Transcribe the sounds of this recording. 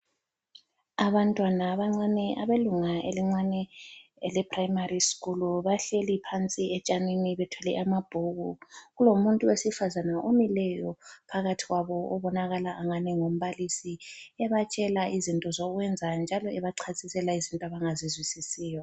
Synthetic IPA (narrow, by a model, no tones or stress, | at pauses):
aβantʼwanaβaŋ͡ǀanɛʔaβeluŋaʔḛliŋ͡ǀanɛɛlɛpʰrajimariskʼuluβaɬelipʰant͡sʼiɛt͡ʃʼaniniβɛtʰwɛlɛʔamab̥ʱuɣuɣulomuntʼuwesifazanaʔomilɛjɔpʰaɣatʰiɣwaβɔʔɔβɔnaɣalaʔːŋanɛŋom̩βalisiɛβat͡ʃʼɛlaizintʼɔzɔɣwɛnd͡zʱand͡ʒʱalɔɛβaǀʰasʼisɛlaizintʼɔaβaŋazizwisisiːjɔ